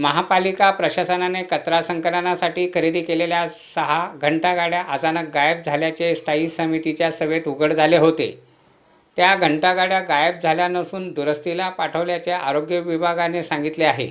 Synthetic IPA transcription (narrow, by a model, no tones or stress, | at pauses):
məɦapalikapɾəɕasənanekət̪ɾasəŋkəɾənasaʈiːkʰəɾid̪iːkelelja | səɦaɡʱəɳʈaɡaɽjaʔat͡sanək̚ɡajəb̚d͡zʱaljat͡ɕest̪ʰaiːsəmit̪it͡ɕjasəʋet̪uɡəɽd͡zʱaleɦot̪ḛ | t̪jaɡʱəɳʈaɡaɽjaɡajəb̚d͡zʱaljanəsuːnd̪uɾəst̪ilapaʈʰəʋljat͡ɕjaʔaɾoɡjəʋibʱaɡanesãŋɡit̪leaɦḛ